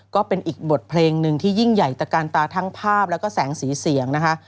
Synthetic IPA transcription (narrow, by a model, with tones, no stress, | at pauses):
kɔː˥˩pe˧nʔiː˨˩k̚bo˨˩t̪̚pʰleː˧ŋnɯ˧ŋt̪ʰiː˥˩ji˥˩ŋja˨˩jt͡ɕa˨˩kaː˧nt̪aː˧t̪ʰa˦˥ŋpʰaː˥˩p̚lɛː˦˥wkɔː˥˩sɛː˩˦ŋsiː˩˦si˨˩˦əŋna˦˥kʰa˦˥ʔ